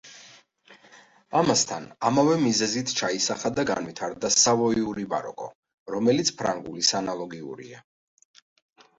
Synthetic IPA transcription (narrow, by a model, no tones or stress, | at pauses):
amast̪ʰanamavɛmizɛzit̪ʰt͡ʃʰaisaχad̪aɡa̰nvit̪ʰaɾd̪asavɔiuɾiba̰ɾɔ̰kʼɔ̰ | ɾɔmɛlit̪sʰpʰɾa̰ŋɡulisanalˠɔɡiṵɾḭa̰